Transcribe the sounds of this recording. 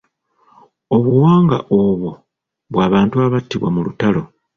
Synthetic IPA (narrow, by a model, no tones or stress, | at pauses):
o̞βuwaːŋɡa̰ʔoβo | βwaːβaːntuaβatːiβwa̰mulutalo̞